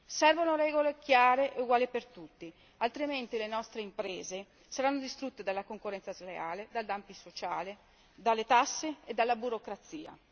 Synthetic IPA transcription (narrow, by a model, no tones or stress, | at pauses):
sɛrvonoɾɛːɡolekjaːɾeʔeuɡwaːlipert̪ut̪ːi | alt̪ɾiment̪ilenɔst̪ɾeimpɾeːze | saɾanːod̪ist̪ɾut̪ːed̪alːakoŋkorːɛnt̪sazleaːled̪ald̪ampisot͡ʃaːle | d̪alːet̪asːeed̪ːalːabuɾokɾat̪sːiːa̰